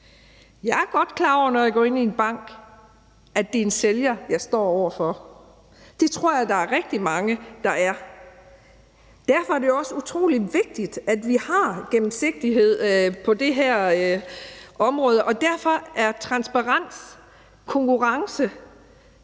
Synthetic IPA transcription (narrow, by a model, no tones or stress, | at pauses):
jɑ̈ɪæɐɡ̥ɒ̽d̥kʰlɑ̰̈ːɒ̰ʊ̰ɐnɒjɑɡ̥ɒ̰ːe̝nienb̥ɑ̈ŋ̰ɡ̥ | ʔæd̥e̝e̝nseljɐjɑ̈ɪsd̥ɒ̰ːɒʊ̰ɐfɒ | d̥e̝t͡sʰʁo̝ɐ̰jɑ̈d̥ɑ̈æɐʁɛɡ̥̚d̥imɑ̈ŋəd̥ɑ̈æɐ | d̥æɐfɒ̽æɐd̥ejoɒ̽səut͡sʰʁo̝̰ːli̥ʋe̝ɡ̥̚d̥id̥æd̥ʋihɑ̈ɡ̥emm̩se̝ɡ̥̚d̥iɦe̝ð̞̰ˠpʰɒ̽d̥e̝ɦæɐ̰ | ɒ̽mʁɔ̽ːð̞ˠəʔɒ̽d̥æɐ̰fɒ̽æɐt͡sʰʁɑ̈nsb̥ɑ̈ʁɑn̰s | kʰɔ̽ŋkuʁɑ̈ŋsə